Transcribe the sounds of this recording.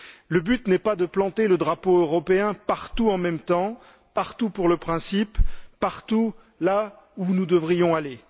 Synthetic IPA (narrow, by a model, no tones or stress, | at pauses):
ləbyt̪nɛpad̪əplɑ̃t̪eləd̪ʁapoøʁɔpeɛ̃paʁt̪uɑ̃mɛmt̪ɑ̃ | paʁt̪upuʁləpχɛ̃sipːaʁt̪u | la | unud̪əvʁijɔ̃ale